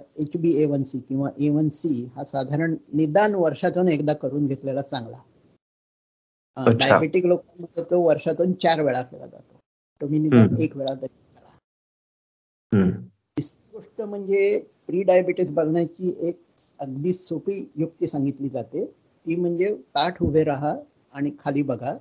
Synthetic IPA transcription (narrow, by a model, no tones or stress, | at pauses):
et͡ɕbiːeʋənsiːkĩw̃ʋaʔeʋənsiɦasad̪ʱaɾəɳnid̪anʋəɾʂat̪unekd̪akəɾuːnɡʱet̪lelat͡saŋɡla̰ | ɖaja̰beʈiklokanməd̪ʱːjet̪oʋəɾʂat̪uːnt͡ɕaɾʋeɭakela̰d͡za̰t̪o | t̪omiːnid̪anekʋeɭat̪əɾikəɾa̰ | t̪isɡoʂʈəm̤əɳd͡zepɾiːɖajabeʈisbəɽɳjat͡ɕiːʔek̚əɡd̪iːsopiːjuk̚t̪isãŋɡit̪liːd͡zat̪e | t̪iːm̤əɳd͡zet̪aʈʰɦuʋʱeɾaɦaː | ɽ̃ikʰaliːbəɡʱa